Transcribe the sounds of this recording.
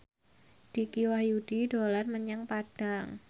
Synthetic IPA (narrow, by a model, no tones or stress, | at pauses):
d̥ikiwahjud̥idolarməɲaŋpad̥a̤ŋ